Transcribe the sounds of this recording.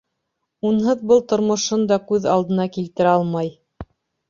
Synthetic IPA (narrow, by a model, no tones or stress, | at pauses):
unɦɤðbɤlˠt̪ŏɾmŏʃɤnd̪ɑkʉðɑlˠd̪ɤ̆nɑkilt̪ɘ̆ɾɑlˠmɑj